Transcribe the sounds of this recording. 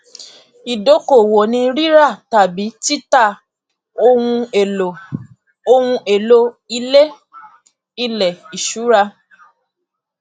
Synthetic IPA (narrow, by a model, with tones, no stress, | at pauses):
i˨do˨˦ko˨wo˨nĩ˧ɾi˦ɾa˦˨ta˨bi˨˦ti˦ta˦˨ | o˦ũ˧e˨o˨ | o˧wũ˧e˨lo˧i˧le˦ | i˦˨lɛ˨i˨ʃu˨˦ɾa˧